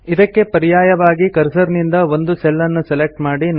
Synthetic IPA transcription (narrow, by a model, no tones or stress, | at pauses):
id̪ɐkːe̞pɐɾijaːjɐʋaːɡikɐɾsɐɾnind̪ɐʋo̞nd̪usɛlːɐnːuselek̚ʈmaːɽin